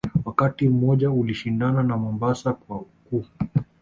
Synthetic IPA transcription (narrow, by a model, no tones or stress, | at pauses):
wakatim̩mɔʄauliʃindananamɔmbasakwaukuː